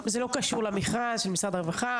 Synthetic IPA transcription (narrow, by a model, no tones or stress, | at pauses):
zelo̞kaʃuʁlamiχanʃelmisʁad̪aʁevaχa